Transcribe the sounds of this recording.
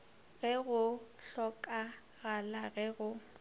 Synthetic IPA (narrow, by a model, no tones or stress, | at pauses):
ɣɛɣʊ | ɬɔkʼa | ɣalaɣɛɣʊ